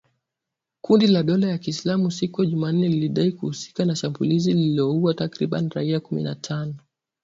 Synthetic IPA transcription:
kundilaɗɔlajakiːslamusikujaʄuman̩ːɛliliɗaikuhusi̥kanaʃambulizililiɔuwatakɾiɓa̰niɾaiakumḭnatʰanɔ

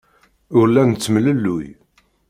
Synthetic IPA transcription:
ʊɾlænt͡sːmləlːʊj

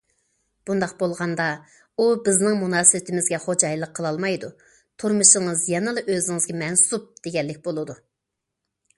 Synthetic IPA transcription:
b̥und̪ɑqbolˠʁɑnd̪ɑ | ubɪznɪŋmunɑːsɨbɪt̪ʰɪmɪzɡʲɛχod͡ʒɑjlˠəqʰːəlˠɑlˠmɑjd̪u | t̪ʰuɾmɨʃəŋəzjɛnɨlˠɨʔøzɪŋɪzɡʲɛmɛnsup̚d̪̥eɡʲɛlːɪk̚ʲbolˠɨd̪u

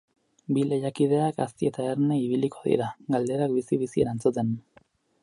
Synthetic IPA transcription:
bilejakið̞e̞aka̰st̪ie̞t̪aeɾne̞iβ̞iliko̞ðḭɾaɡald̪e̞ɾakbisiβisie̞ɾant͡sut̪e̞n

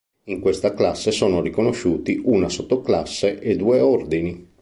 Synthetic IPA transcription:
iŋkwest̪aklasːesoːnorikonoʃːuːt̪iʔunasot̪ːoklasːeʔed̪uːeɔrd̪ini

